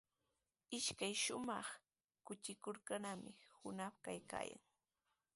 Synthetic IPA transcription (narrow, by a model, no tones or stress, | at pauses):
ɪʃkajʃʊmɑχ | kʊt͡ʃɪkoɾkanamɪhʊnapkajka̰ːja̰ŋ